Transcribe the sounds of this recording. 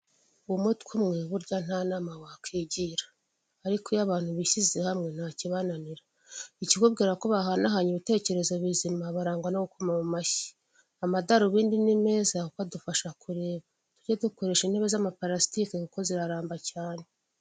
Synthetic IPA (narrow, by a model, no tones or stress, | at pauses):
umutkumŋeβuɾɟan̥anamawakʰiːɟiɾḁː | ɾikojaβaːn̥huβiʃizehamŋe̞n̥haciβananiɾa | iciɡob̚ɡiːɾakoβaɦanaɦaɲiβite̞ːce̞ɾe̞zo̞βizimaβaɾaːŋɡwanoɡukomamumaçi̥ | amadaɾuβiːndinime̞ːzaukadufaʃakʰuɾe̞ːβa | tuɾɟaduko̞ɾe̞ʃinhe̞βe̞zamapaɾasi̥tikekuko̞ziɾaɾaːmbacaːne̞